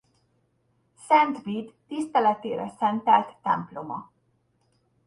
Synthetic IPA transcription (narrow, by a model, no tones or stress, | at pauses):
sɛnt̪viːd̪ːist̪ɛlɛt̪eːɾɛsɛnt̪ɛlt̪ːɛ̰mplo̞mɒ